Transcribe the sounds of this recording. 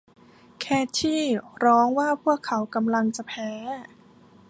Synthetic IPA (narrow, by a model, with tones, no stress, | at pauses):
kʰɛː˥˩t̪ʰiː˥˩ɾɔː˦˥ŋwaː˥˩pʰu˥˩əkʰːa˩˦wka˧mla˧ŋt͡ɕa˨˩pʰɛː˦˥